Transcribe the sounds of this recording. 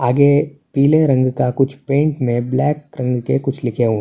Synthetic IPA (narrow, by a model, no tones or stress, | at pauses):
aːɡepiːleɾɐ̃ŋɡkakʊt͡ʃʰpẽːɳʈmẽblɛːkɾɐ̃ŋɡkekʊt͡ʃʰlɪkʰeɦũ